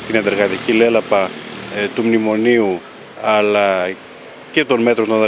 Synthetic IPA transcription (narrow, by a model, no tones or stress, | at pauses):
t̪inɐnd̪eɾɣɐt̪icile̞lɐpɐt̪umnimo̞niu | ɐlɐ | ce̞t̪o̞nme̞t̪ɾot̪uonð